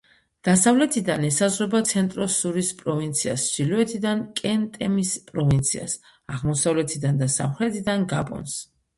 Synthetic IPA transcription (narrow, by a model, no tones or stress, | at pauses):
d̪̥asavlɛt̪ʰid̪anɛsazʁwɛbat̪sʰɛnt̪ʼɾɔsuɾispʼɾɔvint̪sʰia̰sʃiluɛt̪ʰid̪ankʼɛnt̪ʼɛmispʼɾɔvint̪sʰia̰s | aʁmɔsavlɛt̪ʰid̪and̪asa̰mχɾɛt̪ʰid̪anɡapʼɔ̰ns